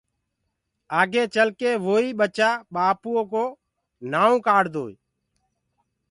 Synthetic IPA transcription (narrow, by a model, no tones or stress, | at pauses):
aːɡeːt͡ʃəlkeːʋoːiːɓət͡ʃaːɓaːpuõːkoː | naːõːkaːɽd̪oːi